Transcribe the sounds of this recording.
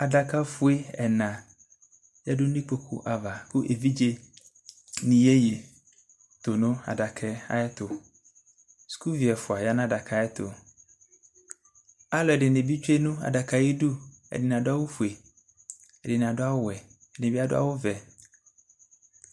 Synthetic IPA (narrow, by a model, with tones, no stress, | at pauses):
a˨da˨ka˦fʊ˦e˦ɛ̰˨nã˨ | ja˦dʊ˦nĩ˦k͡po˦kʰṵ˨ʔa˨va˨kʊ˦ʔe˨vi˦d͡ʒe˦ | nĩ˨je˦je˨ | t̪ʊ˨nʊ̃˦a̰˨da˨kʰɛ˦a̰˦ɛ˦t̪ʊ˨ | su̥˨ku˦vi˨ɛ˨fʊ˨a˨ja˦nã˦da˨kʰa˨ɛ˦t̪ʊ̰˨ | a˦lɔ˨ɛ˨dɪ˨ne˨bi˦t͡ʃᶣe˦nũ˦a̰˨da˨ka˨je˦du˦ | ɛ̰˨dɪ˨n˨a˨dʊ˦a˦wʊ˦fu˨e˨ | ɛ˨dɪ˨n˨a˨dʊ˦a˦wʊ˦˨ɛ˨ | ɛ˨dɪ˨ẽ˨bi˦a˦dʊ̰˦a̰˦wʊ˦vɛ˨